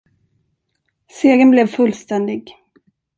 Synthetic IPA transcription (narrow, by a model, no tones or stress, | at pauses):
seːɡənblɛvfɵlst̪ɛnd̪ɪɡ